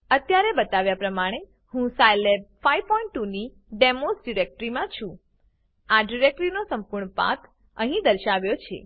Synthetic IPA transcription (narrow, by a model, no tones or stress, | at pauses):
ət̪jaɾebət̪aʋjapɾəmaɽ̃e | hũsajleb̚fajpɔĩɳʈ̚ʈːuni | ɖemosɖiɾek̚ʈɾimãt͡ʃʰũ | aɖiɾek̚ʈɾinosəmpuɾɳəpa̰k | əɦĩd̪əɾʃaʋjot͡ʃʰḛ